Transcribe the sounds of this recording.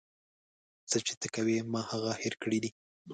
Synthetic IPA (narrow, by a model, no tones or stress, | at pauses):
t͡sət͡ʃe̥t̪əkawemɑhaɣaheɾkəɽid̪i